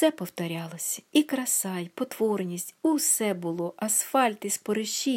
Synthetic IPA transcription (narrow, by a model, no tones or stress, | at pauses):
t̪sɛpɔwt̪ɔɾʲɑlˠɔsʲɐikɾɐsɑjpɔt̪ʋɔrnʲisʲtʲuwsɛbʊlˠɔʔɐsfɑlʲt̪ɪspɔɾɪʃi